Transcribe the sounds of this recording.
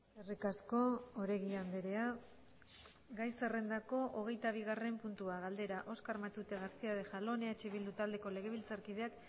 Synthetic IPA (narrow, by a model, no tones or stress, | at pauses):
erikasko̞oɾe̞ɣiand̪eɾe̞a | ɡajse̞re̞nd̪ako̞ʔoɣ̞e̞jt̪aβ̞iɣ̞are̞mpunt̪uaɣald̪e̞ɾaʔo̞skaɾmat̪ut̪e̞ɣaɾsiað̞e̞ʝalo̞neat͡ʃeβild̪ut̪ald̪e̞ko̞le̞ɣ̞e̞β̞ilt͡saɾkið̞eak